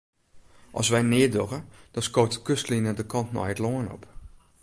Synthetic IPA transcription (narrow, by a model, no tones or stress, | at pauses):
ʔɑ̰lˠsʋɛjnɪədoɣəd̥ɔnskoːtkøstlinədəkʰɑntnɔ̰jətloənɔ̰p